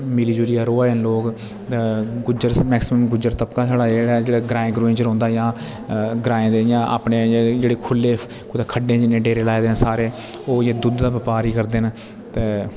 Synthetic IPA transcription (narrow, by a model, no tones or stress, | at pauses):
mɪliːd͡ʒulijaːɾoːaːɦənloːk | t̪eːɡʊd͡ʒəɾsmɛːksɪməmɡʊd͡ʒəɾt̪əpkaːsaːɽaːeːɽaːd͡ʒeːɽaːɡɾaːɪ̃ːɡɾoːɪnd͡ʒəɾɦɔ̃ːnd̪aːjãː | ɡɾaːẽːd̪eːjãːa̰ːpneːd͡ʒeːɽeːkʰʊlːeː | kʊd̪ekʰəɖẽːd͡ʒɪnːẽːɖeːɾeːlaːed̪eːnsaːɾeː | oːjeːd̪ʊd̪d̪aːʋəpaːɾiːkəɾd̪eːn | t̪eː